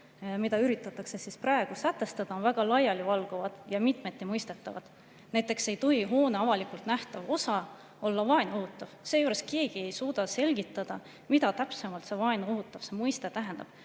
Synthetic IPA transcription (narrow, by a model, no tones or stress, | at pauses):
mid̪̥ɑyɾit̪ːˑɑt̪ːˑɑkse̞sisprɑe̞ɡ̥usæt̪ːˑe̞st̪ɑd̪̥ɑovæɡ̥ɑlɑjɑlivɑlɡ̥ovɑd̪̥jɑmit̪me̞t̪ːˑemɤjst̪e̞t̪ːˑɑvɑ̰d̪̥ | næjt̪ˑːe̞kse̞jt̪oɦiɦo̞ːneɑvɑlikˑult̪næht̪ɑvo̞sɑ | olːɑvɑe̞no̞ɦut̪ːˑɑv̥se̞ːjuːɾeske̞ːɡ̥ie̞jsuːd̪̥ɑse̞lɡ̥it̪ːˑɑd̪̥ɑ | mid̪ɑt̪æpsemɑlt̪se̞vɑeno̞ɦut̪ːˑɑv̥se̞mɤjst̪e̞t̪æɦend̪̥ɑ̰b̥